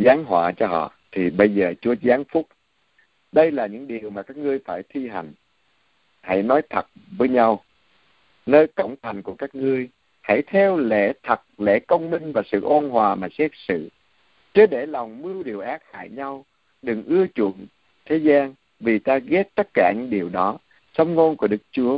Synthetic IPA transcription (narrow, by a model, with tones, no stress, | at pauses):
zaː˨˦ŋɦwa̰ː˧˩˨t͡ɕɔ˧ɦɔ̰˧˨t̪ʰi˨˩ɓə˧jzəː˨˩t͡ɕu˨˦əzaː˨˦nfʊ˦˥k͡p̚ | ɗə˧jlaː˨˩ɲɨ̰˧˥ŋɗi˨˩əwmaː˨˩kaː˦˥k̚ŋɨ˧əjfaː˧˩jt̪ʰi˧ɦa˨˩jŋ̟ | ha̰˧˩jnɔ˨˦jt̪ʰə˨˩t̚vəː˨˦jɲa˧w | nəː˧jkə̰˧˩wŋ͡mt̪ʰa˨˩ŋ̟ku˧˩əkaː˦˥k̚ŋɨ˧əj | ha̰˧˩jt̪ʰɛ˧wlḛ˧˥t̪ʰə˨˩t̚lḛ˧˥kə˧wŋ͡mmï˧ŋ̟vaː˨˩sɨ̰˧˨ʔo˧nɦwaː˨˩maː˨˩sɛ˦˥k̚sɨ̰˧˨ | t͡ɕə˧˦ɗe˧˩la˨˩wŋ͡mmɨ˧əwɗi˨˩əwʔaː˦˥t̚ha̰ː˧˩jɲa˧w | ɗɨ˨˩ŋʔɨ˧ət͡ɕɨ̰˧˩˨ən | t̪ʰe˨˦zaː˧ŋ | vi˨˩t̪aː˧ɣɛ˦˥t̚t̪ə˦˥t̚kaː˧˩ɲɨ̰˧˥ŋɗi˨˩əwɗɔ˨˦ | sə˧wŋ͡mŋo˧nku˧˩əɗɨ˦˥k̚t͡ɕu˨˦ə